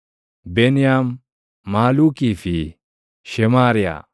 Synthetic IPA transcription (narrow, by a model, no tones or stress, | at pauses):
benijamː | aːluːkifi | ʃɛmaːɾija̰